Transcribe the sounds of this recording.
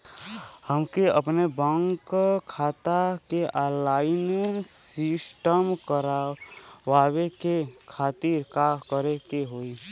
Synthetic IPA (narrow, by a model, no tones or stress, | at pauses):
həmkeəpnebəŋkkʰːaːt̪akeʔalaːjnesɪsʈəmkəɾawaːwekekʰaːt̪iɾkakəɾekeɦoːi